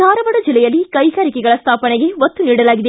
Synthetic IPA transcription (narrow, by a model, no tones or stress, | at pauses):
aːɾɐʋɐɽɐd͡ʒilːɛjɐlːikɐjɡaːɾikɛɡɐɭɐst̪ʰaːpɐneɡe̞ʋɐt̪ːuniːɽɐlaːɡid̪e